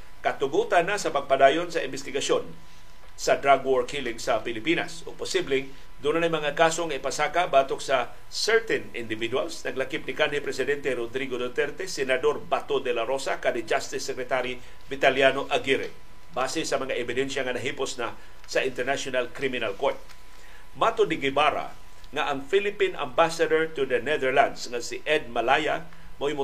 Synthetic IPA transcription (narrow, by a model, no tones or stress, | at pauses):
kɐt̪ʊɡut̪anːasɐpɐɡ̚pɐd̪aːjonsɐɪmbɪst̪ɪɡɐʃon | sɐd̪ɾaɡwoɹkilɪŋsɐpɪlɪpina̰soɡ̚pʊsiblɪŋ | d̪unanɐjmɐŋakaso̞ŋaipasaːkabaːt̪oksɐ | sɛɹt̪ɛnɪ̰nd̪ɪvid̪walsnɐɡlakɪp̚nɪkanhipɾɛsɪd̪ɛnt̪ɛɾod̪ɾiɡod̪ot̪ɛɾt̪ɛsɛnɐd̪o̞ɾbat̪od̪ɛlaɾosakad̪ɪd͡ʒast̪ɪsːɛkɾɛt̪aɾi | bɪt̪aljanoʔaɡiɾɪ̰ | baːsɛsɐmɐŋaʔɛbɪd̪ɛnʃaŋɐnɐɦiposna | sɐʔɪnt̪ɛɹnaʃonalkɾimɪnalkoɹt̪̚ | mat̪od̪ɪɡɪbaɾa̰ | ŋaʔɐŋfilɪpinʔa̰mbasad̪oɹt̪ʊd̪ɐnɛðɛɹland̪sŋasɪʔɛd̪̚malaja | moimʊ